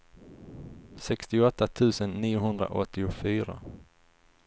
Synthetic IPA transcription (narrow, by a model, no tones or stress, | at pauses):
sɛkst̪ɪɔt̪ːat̪ʰʉ̟ːsənːiːʊɦɵnd̪ɾa̰ʔɔ̰t̪ʰːɪʊfyːɾa̰